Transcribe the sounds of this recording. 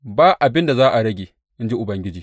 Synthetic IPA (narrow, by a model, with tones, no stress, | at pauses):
baː˦ʔa˨bɪ˦nda˨zaː˦ʔa˨ɽɐ˦ɡʲeː˨ | ʔɪ˦nd͡ʒi˦ʔʊ˨bɐ˨ŋɡʲɪ˦d͡ʒiː˨